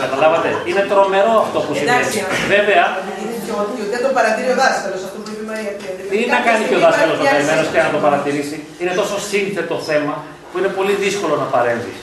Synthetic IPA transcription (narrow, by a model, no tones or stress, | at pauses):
kɐt̪ɐlɐvɐt̪eine̞t̪ɾo̞me̞ɾo̞ɐft̪o̞pusieisve̞ve̞ɐ | ineoɐt̪iot̪iɐnt̪opɐɾɐt̪iɾioðɐskɐlosɐft̪opuepimɐɾiɐiɐt̪innɐkɐnio̞ðɐskɐlo̞znoeimenosceɐnɐt̪o̞pɐɾɐt̪iɾisi | ine̞t̪o̞so̞sinθe̞t̪o̞θe̞mɐ | puine̞po̞liðisko̞lo̞nɐpɐɾe̞ɱvḭs